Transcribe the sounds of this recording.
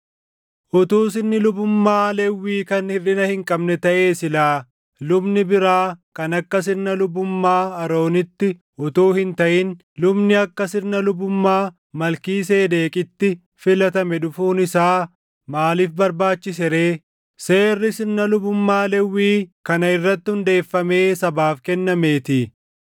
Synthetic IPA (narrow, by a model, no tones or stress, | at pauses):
ʔʊt̪uːsɪnːɪlʊbʊmːaːlɛwːiːkɐnhɪrɪnɐhɪŋkʼɐbnɛt̪ɐʔe̞ːsɪlaː | lʊbnɪbɪɾaːkɐnɐkːɐs̬ɪnnːɐlʊbʊmːaːɐɾo̞ːnɪt̪ːɪ | ʔʊt̪uːhɪnt̪ɐʔɪn | lʊbnɪɐkːɐsɪɾnːɐlʊbʊmːaː | mɐlkiːs̬e̞ːd̪e̞ːkʼɪt̪ːɪ | fɪlɐt̪ɐmɛᶑʊfuːnɪsaː | maːlɪfbɐɾbaːt͡ʃːɪs̬ɛɾe̞ː | se̞ːrːɪsɪɾnɐlʊbʊmːaːlɛwːiːkɐnɐɪrːɐt̪ːɪhʊnd̪e̞ːfːɐme̞ːsɐbaːfkɛnːɐme̞ːt̪ɪ